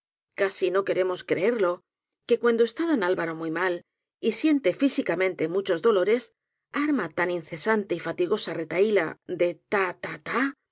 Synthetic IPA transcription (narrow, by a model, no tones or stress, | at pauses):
kasino̞ke̞ɾe̞mo̞skɾe̞e̞ɾlo̞ | ke̞kwand̪oest̪aðonalβaɾo̞mujmal | isje̞nt̪e̞fisikamẽ̞nt̪e̞mut͡ʃo̞zðo̞lo̞ɾe̞s | aɾmat̪anin̟θe̞sant̪e̞ifat̪iɣo̞sare̞t̪aila̰d̪e̞t̪at̪at̪a